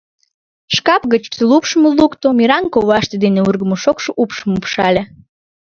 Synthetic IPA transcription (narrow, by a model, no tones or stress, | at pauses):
ʃkɑpɣət͡ɕt̪lupʃəmolukt̪omiɾɑŋkoβɑʃt̪ed̪eneurɣəmoʃokʃoʔupʃəmupʃɑlʲe